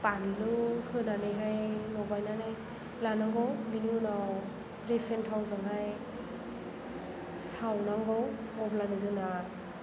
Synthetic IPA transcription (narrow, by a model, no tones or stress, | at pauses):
panilɯhɯnaneɦajnɔɡajnanɯ | lanaŋɡɔwbiniunaw | ɹefʰɛntʰawzɯŋɦaj | sawnaŋɡɔw | ɔblanɯzɯna